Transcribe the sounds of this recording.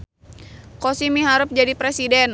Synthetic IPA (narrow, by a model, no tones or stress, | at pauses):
kosimiɦaɾʊp̚d͡ʒadipɾɛsidɛn